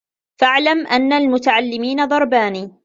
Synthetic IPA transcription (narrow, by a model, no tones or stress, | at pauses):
faʕlamʔanːalmʊt̪aʕalːɪmiːnad̪ˤɑɾˤbaːniː